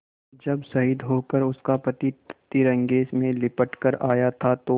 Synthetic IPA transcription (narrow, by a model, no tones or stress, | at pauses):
d͡ʒɐbsɐɦɪd̪ɦoːkəɾʊskapɐt̪itt̪ːiɾɐ̃ŋɡeːsmẽlɪpəʈkəɾaːjat̪ʰat̪o